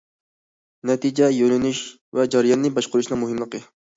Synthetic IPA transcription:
nɛt̪ʰid͡ʒɛjølynyʃ | vɛd͡ʒɑɾɨjɑnːɨbɑʃqʊɾuʃnɨŋmuɦɪmlˠəqɨ

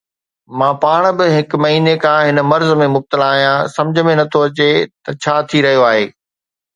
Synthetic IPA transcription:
mãːpaːɽ̃bɪɦɪkmɐɦiːnekʰãːɦɪnəmɐɾzəmẽmʊb̚t̪əlaːɦijãsɐ̃md͡ʑʱə̆mẽnɐt̪ʰoɐt͡ɕet̪ɐt͡ɕʰaːt̪ʰiɾɐɦijoaːɦeː

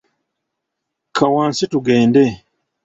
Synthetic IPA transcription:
kʰawaːnsituɡeːnde

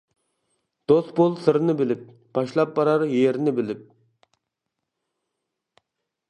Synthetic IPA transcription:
d̪̥ost̪bolˠsɨɾnɨbɪlɪp̚ | b̥ɑʃlˠɑpːɑɾɑɾjeɾnɪbɪlɪp̚

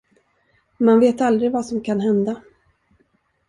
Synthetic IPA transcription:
manveːt̪ald̪ɾɪɡvasɔmkʰanɦɛnd̪a

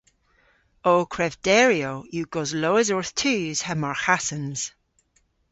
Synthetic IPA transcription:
oːkʰɹɛvd̥ɛːɹiojuɡɔzloːɪzɔɹθtʰʉːz̥həmaɹxasə̃nz̥

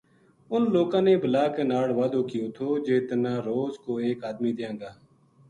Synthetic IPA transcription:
ʊnloːkãːneːbʱəlaːkeːnaːɽʋaːd̪oːkɪjõːt̪ʰoːd͡ʒeːt̪nãːɾoːzkoːeːkaːd̪miːd̪ɪjãːɡaː

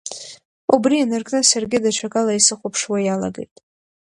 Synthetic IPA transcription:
ubrianarkʼnɨsarɡʲɪdaʈ͡ʂʷʰakʼalaisɨχʷʊpʰʂwajala̰ɡḛjtʼ

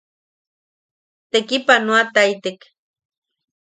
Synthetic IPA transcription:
t̪ekipanoat̪ait̪ek

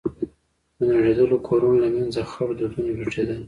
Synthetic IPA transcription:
d̪ənaʐed̪əlokʰoɾunolamanzaxawd̪əd̪und͡ʒuʈ͡ʂed̪əl

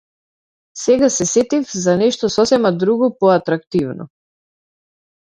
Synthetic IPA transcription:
sɛɡasɛsɛt̪ifzanɛʃt̪ɔsɔsɛmad̪ɾuɡɔpɔat̪ɾakt̪ivnɔ̰

